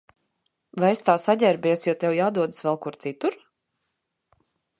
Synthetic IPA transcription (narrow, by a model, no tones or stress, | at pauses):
vaest̪aːsaɟ̪ʲɛɾbʲiɛsjɔt̪ʲɛwjaːd̪uɔd̪ɨsvɛlˠkuɾt̪sit̪uɾ